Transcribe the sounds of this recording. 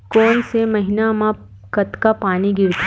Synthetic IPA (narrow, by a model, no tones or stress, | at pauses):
kɔːnsemɐɦɪnamã | kɐt̪kapaːniɡɪɾt̪